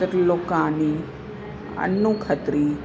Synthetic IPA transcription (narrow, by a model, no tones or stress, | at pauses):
əɾloːkãːni | ɐ̰nːukʰət̪ɾiː